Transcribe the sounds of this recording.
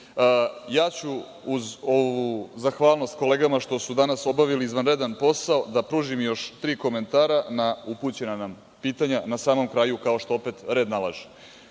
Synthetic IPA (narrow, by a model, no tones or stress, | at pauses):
əjaːt͡ɕuː | zo̞ʋuzaxʋaːlno̞st̪ko̞le̞ːɡamaʃt̪o̞sud̪anaso̞baʋiliːzʋanɾed̪anpo̞saod̪apɾuːʒimjo̞ʃt̪ɾiːko̞ment̪aːɾanauput͡ɕe̞nanam | piːt̪aɲanasaːmo̞mkɾajukao̞ʃt̪o̞o̞pet̪ɾe̞ːd̪nalˠa̰ːʒe̥